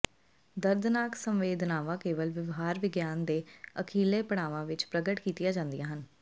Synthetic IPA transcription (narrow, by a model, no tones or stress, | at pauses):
d̪əɾd̪naːksəmʋeːd̪naːʋãːkeːʋəlʋɪʋɦaːɾʋɪɡjaːnd̪eːəkʰiːleːpəɽ̃aːʋãːʋɪt͡ʃpɾəɡəʈkiːt̪ɪjaːd͡ʒãːnd̪ijaːɦən